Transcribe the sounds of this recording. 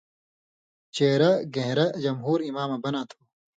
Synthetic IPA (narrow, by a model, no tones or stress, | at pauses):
t͡ɕeːɾɐɡẽɦɾɐd͡ʑɐmɦuːɾimaːmɐbɐnaːt̪ʰo̥